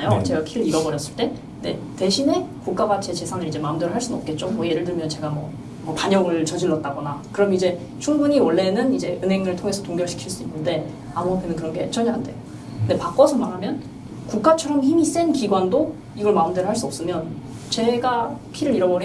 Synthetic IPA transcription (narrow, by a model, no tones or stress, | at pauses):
jot͡ɕe̞ɡakʰiɾɯɾiɾʌbʌɾjʌs͈ɯɭt͈e̞ | nde̞̰te̞ɕʰine̞kuk̚k͈abat͡ɕʰe̞t͡ɕe̞sʰanɯɾid͡ʑe̞maɯmdeɾɯɭɦaɭs͈unʌp̚k͈e̞t̚t͡ɕ͈omʌije̞ɾɯɭdɯɭmjʌnt͡ɕe̞ɡamwʌ | mʌpaɲʌŋɯɭt͡ɕʌd͡ʑiɭːʌt̚t͈aɡʌnakɯɾʌmid͡ʑe̞ | t͡ɕʰuŋbuɲiwʌɭːe̞nɯnid͡ʑe̞ʔɯnɦe̞ŋɯɭtʰoŋe̞sʰʌtoŋɡjʌɭɕʰi̥kʰiɭs͈uinːɯnde̞ | amuapʰenɯnkɯɾʌnɡe̞t͡ɕʌɲaɦande̞̰jo | nde̞pak͈ʌsʰʌmaɾɦamjʌn | kuk͈̚at͡ɕʰʌɾʌmçimis͈enkiɡwando | iɡʌɭmaɯmdɯɾɯɭɦaɭs͈uʌps͈ɯmjʌn | t͡ɕe̞ɡakʰiɾɯɾiɾʌbʌɾi